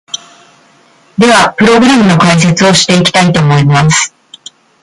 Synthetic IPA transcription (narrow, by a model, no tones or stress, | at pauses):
d̪e̞βapɯ̟ɾo̞ɡɯ̟ɾamɯ̟no̞kais̬e̞t͡sɨo̞ɕi̥t̪e̞ikʲi̥t̪ait̪o̞ːmo̞imasɨ̥